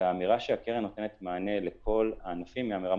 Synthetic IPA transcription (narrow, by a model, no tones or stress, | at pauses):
miʁaʃeakeʁenːot̪enet̪maːne̞lekʰo̞laːnafimːeamiʁa